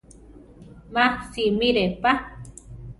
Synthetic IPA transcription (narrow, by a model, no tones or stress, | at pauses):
mahsimiɾepa